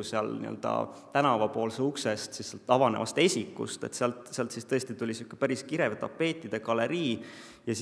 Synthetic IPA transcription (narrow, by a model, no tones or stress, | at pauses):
useɑlnḭø̰ld̪̥ɑ̰t̪ænɑvɑpo̞ːlseukse̞st̪sisːelt̪ːˑɑvɑne̞̰vɑst̪e̞sʲikːˑṵst̪e̞̰t̪seɑlt̪seɑlt̪sist̪ɤ̞est̪it̪ulʲisukːˑe̥pæɾiskiɾevt̪ɑpːˑe̞ːt̪ːˑid̪̥e̞kɑle̞ɾiː | jɑs